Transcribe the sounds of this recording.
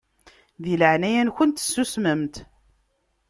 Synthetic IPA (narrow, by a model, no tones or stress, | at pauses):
ðiləʕnæjænçənt̪ə̥sːusməmt̪